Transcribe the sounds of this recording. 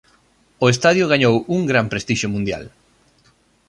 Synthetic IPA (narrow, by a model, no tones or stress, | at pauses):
ʊest̪aðjʊɣaɲowuŋɡɾampɾest̪iʃʊmũnd̪ja̰l